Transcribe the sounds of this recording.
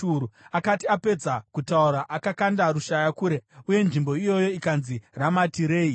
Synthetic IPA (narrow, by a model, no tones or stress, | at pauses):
uɾuakatiape̞d͡zakutauɾaʔakakandaɾuʃajakuɾe̞uje̞nʐimbo̞ijo̞jo̞ikanziramatiɾe̞ːi